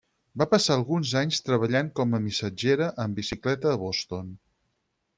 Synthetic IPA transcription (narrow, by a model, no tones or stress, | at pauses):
bapəsaəlˠɣunzaɲst̪ɾəβəʎaŋkɔməmisəd͡ʒeɾəʔəmbisiklɛt̪əːβɔst̪on